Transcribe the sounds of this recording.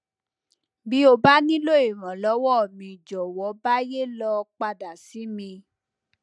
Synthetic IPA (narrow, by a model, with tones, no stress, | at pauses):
bi˨˦o˧ba˦nĩ˦lo˦e˨ɾ̃ã˨lɔ˨˦wɔ˦˨mĩ˨d͡ʒɔ˨wɔ˨˦ba˦je˦lɔ˧k͡pa˧da˨si˨˦mĩ˧